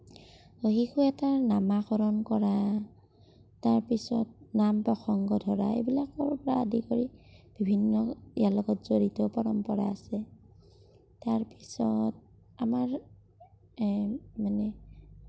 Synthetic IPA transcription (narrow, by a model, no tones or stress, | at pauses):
oɦikʰuɛtanamaxɔɹɔnkɔɹa | taɹpisɔt̚nampɹɔxʰɔŋɡɔdʱɔɹa̰ḛbilakɔɹɔpɔɹaadikoɹib̥ʱibʱinːɔḭjalɔɡɔtzoɹitɔpɔɹɔmpɔɹa̰ːsɛ | taɹpi̥sɔt̚ | amaɹ | manɛ